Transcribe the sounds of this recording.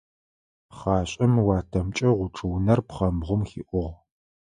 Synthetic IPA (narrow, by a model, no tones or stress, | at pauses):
χɑːɕʼɐmwɑːtʰɐmt͡ʃʼɐʁʷʊʈ͡ʂʰʼɨwnɐrpχɐmʁʷʊmxḭːʔʷʊʁ